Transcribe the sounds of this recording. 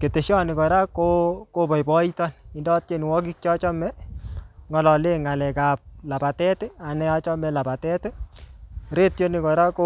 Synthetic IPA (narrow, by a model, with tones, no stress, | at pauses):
ke˨te˨ʃjɔ˦nɪ˨kɔ˨ɾa˦koko˦pɔ˨jbɔ˦i˦tɔ˦nɪ˨ndɔ˦t̚t͡ʃe˦n˨wɔ˦k̬i˦k̚t͡ʃɔ˦t͡ʃɔ˦mɛ˦ | ŋɔ˨lɔ˨le˦ŋa˨lɛ˨ka˨p̚la˨pa˨tɛ˦tɛ˦a˨nɛ˦a˦t͡ʃɔ˦mɛ˨la˨pa˨tɛ˦te˦ | ɾe˦tjo˦nɪ˨kɔ˨ɾa˦ko